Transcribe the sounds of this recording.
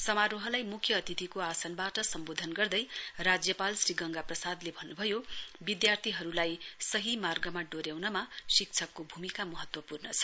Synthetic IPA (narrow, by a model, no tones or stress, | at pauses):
sʌmaɾoɦʌlajmukʰjʌːt̪it̪ʰikoasʌnbaʈʌsʌmbod̪ʱʌnɡʌrd̪ʌjrad͡zjʌpalsriɡʌŋɡaprʌsad̪lebʱʌnːubʱʌjobid̪jart̪ʰiɦʌɾulajsʌɦimarɡʌmaɖoɾjawnʌmasik̚t͡sʰʌkːobʱumikamʌɦʌt̪wʌpurnʌt͡sʰʌ̥